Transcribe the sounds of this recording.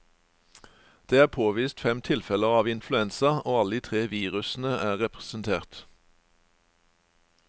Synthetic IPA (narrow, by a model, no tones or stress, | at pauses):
d̪̥eːæːpʰoːʋiːst̪fɛmt̪ʰɪlfɛləʁɑːʋɪnflʉɛnsɑʔoːɑləd̪iːt̪ʰʁeːʋiːʁʉsn̩əæːʁɛpʁəsnt̪ʰeːʁt̪